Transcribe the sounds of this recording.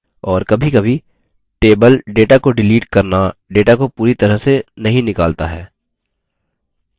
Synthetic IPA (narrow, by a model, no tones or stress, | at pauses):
ɔːɾkɐbʱikɐbʱi | ʈeːbəlɖeːʈakoɖɪliːʈkɐɾnaɖeːʈakopuːɾit̪ɐɾəɦsenɐɦĩnɪkaːlt̪aɦɛ̰ː